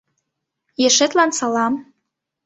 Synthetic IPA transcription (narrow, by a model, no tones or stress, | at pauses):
jĕʃĕt̪lɑnsɑlɑm